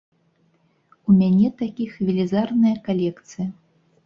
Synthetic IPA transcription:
umʲanʲɛt̪akʲixvʲilʲizarnɨjɐkalʲɛkt̪sɨjɐ

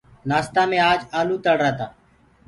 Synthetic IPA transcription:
naːst̪aːmẽːaːd͡ʒaːluːt̪əɽɾaːt̪aː

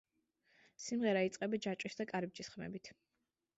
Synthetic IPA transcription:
simʁɛɾait̪sʼqʼɛbad͡ʒat͡ʃʼisd̪akʼaɾɛb̚d͡ʒisχmɛ̰bit̪ʰ

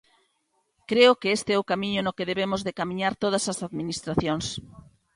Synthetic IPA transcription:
kɾeʊkeest̪eɛʊkamiɲʊnʊkeðeβemʊzðekamĩɲaɾt̪oð̞ɐsɐsaðminist̪ɾaθjoŋs

